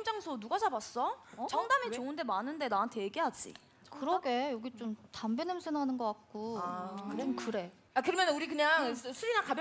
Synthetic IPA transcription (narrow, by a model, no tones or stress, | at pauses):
md͡ʑaŋsʰonuɡad͡ʑabas͈ʌt͡ɕʌŋdamit͡ɕoɯnde̞manɯnde̞naɦantʰe̞jɡeɦad͡ʑḭ | kɯɾʌɡe̞jʌɡit͡ɕ͈omtambenemsʰenanɯnɡʌk͈at̚k͈o | omkɯɾe̞ | akɯɾʌmjʌnɯnuɾikɯɲaŋsʰɯɾinakabj